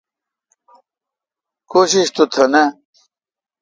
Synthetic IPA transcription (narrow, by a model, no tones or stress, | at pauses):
koɕiɕt̪ut̪ʰɐnɐ